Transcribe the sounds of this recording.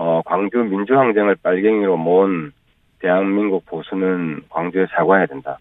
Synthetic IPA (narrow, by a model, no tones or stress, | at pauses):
ʌkwaŋd͡ʑjumind͡ʑuhaŋd͡ʑeŋɯɭp͈aɭɡe̞ŋiɾomon | te̞ɦaŋminɡuk̚p͈osʰunɯnkwaŋd͡ʑoesaɡwajadenda